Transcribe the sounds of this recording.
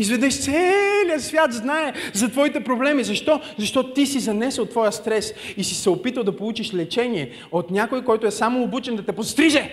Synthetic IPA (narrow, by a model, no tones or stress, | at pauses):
izvɛd̪ɛʃt̪sɛlʲiəsvʲjat̪znaɛzɐt̪vɔit̪ɛpɾoblɛmizɐʃt̪ɔ | zɐʃt̪ɔt̪t̪isizɐnɛsəlˠt̪vɔjəst̪ɾɛsisisɛopit̪əlˠd̪ɐpolˠut͡ʃiʃlɛt͡ʃɛniɛ | ot̪nʲakojkɔjt̪ʊɛsamoːbut͡ʃɛnd̪ɐt̪ɛpost̪ɾiʒɛ